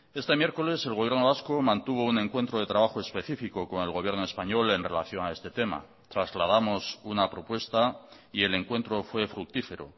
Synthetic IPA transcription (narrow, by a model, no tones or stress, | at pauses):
e̞st̪e̞mje̞ɾko̞le̞se̞lɣ̞o̞βje̞ɾnoβasko̞mãnt̪uβ̞o̞unẽ̞ŋkwe̞nt̪ɾo̞ð̞et̪ɾaβaxoespe̞θifiko̞ko̞ne̞lɣ̞o̞β̞je̞ɾno̞e̞spaɲo̞le̞nre̞̰la̰θjo̞nae̞st̪e̞t̪e̞ma̰ | t̪ɾazlað̞amo̞sunapɾo̞pwe̞st̪a | ie̞le̞ŋkwe̞nt̪ɾo̞fwe̞fɾuk̚t̪ife̞ɾo̰